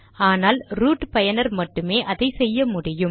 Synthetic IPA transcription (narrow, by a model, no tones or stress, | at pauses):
aːnaːlɾuːʈpɐjɐnɐɾmɐʈːɯmeːʔɐðɐɪsɛjːɐmʊɽɪjɯm